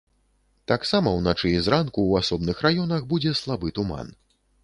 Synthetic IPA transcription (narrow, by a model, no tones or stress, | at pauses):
t̪aksamɐwnat͡ʂɨizɾankuwasɔbnɨxrajɔnɐxbud͡zʲɛslˠabɨt̪uma̰n